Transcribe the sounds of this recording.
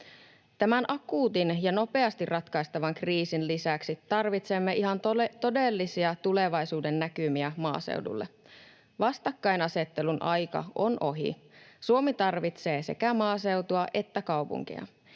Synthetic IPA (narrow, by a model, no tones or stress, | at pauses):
t̪æmænʔɑkuːt̪injɑno̞pe̞ɑst̪irrʔɑt̪kɑjst̪ɑʋɑŋkriːsinlisæksit̪ːɑrʋit̪se̞mːeʔiɦɑntt̪o̞delːisiɑt̪ule̞ʋɑjsuːdenːækymiæmɑ̰ːsḛwdṵlːḛ | ʋɑst̪ɑkːɑjnɑse̞t̪ːelunʔɑjkɑ̰onʔo̞ɦḭsuomit̪ɑrʋit̪se̞ːse̞̰kæmɑːse̞wt̪uɑʔe̞t̪ːækɑwpṵŋk̟ḭɑ̰